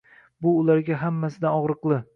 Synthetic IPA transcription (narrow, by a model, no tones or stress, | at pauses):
bʊːlaɾɡʲaɦamːasɪd̪anɒʁɾɨqlˠɪ